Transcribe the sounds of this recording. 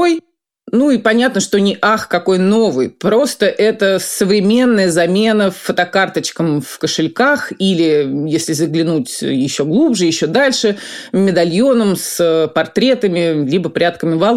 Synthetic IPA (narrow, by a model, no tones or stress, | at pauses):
oj | nuipɐnʲat̪̚nəʂt̪onʲɪʔaxkɐko̞jno̞vɨjpɾo̞st̪əʔɛt̪əsəvɾʲɪmʲe̞nːəjəzɐmʲe̞nəfːət̪ɐkart̪ət͡ɕkəmfkəʂɨlʲkaxilʲɪjesʲlʲɪzəɡlʲɪnutʲjɪɕːo̞ɡlˠubʐɨjɪɕːo̞d̪alʲʂɨmʲɪd̪ɐlʲjo̞nəmsəpɐrt̪ɾʲe̞t̪əmʲɪlʲibəpɾʲat̪kəmʲɪvalˠ